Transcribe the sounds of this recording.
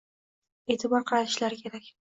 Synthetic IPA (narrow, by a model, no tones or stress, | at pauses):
e̞ːt̪ʰɪbɒɾqʰɑɾat̪ɪ̥ʃlaɾɪkʲʰe̞ɾakʲ